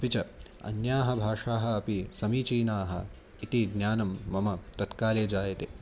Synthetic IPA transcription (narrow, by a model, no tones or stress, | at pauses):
ɐpit͡ʃɐ | ɐ̰njaːɦɐ̆bʱaːʂaːɦɐ̆ːpisɐmiːt͡ʃiːnaːɦɐ̰ | it̪iɡnjaːnɐmːɐmɐt̪ɐt̪kaːleːd͡ʒaːjɐt̪eː